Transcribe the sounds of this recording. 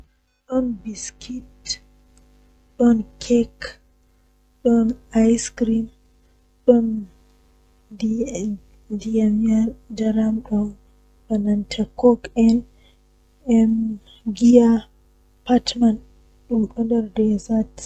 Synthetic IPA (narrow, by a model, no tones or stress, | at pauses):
ɗɔnbiskʰit | ɗɔnkʰɛk | ɗɔnajskɾim | ɗɔn | d | diamiad͡ʒaɾamɗɔn | banantʰɛkɔkɛn | ɛm | ɡia | pʰatman | ɗɔnɗɔndɛɾdɛzat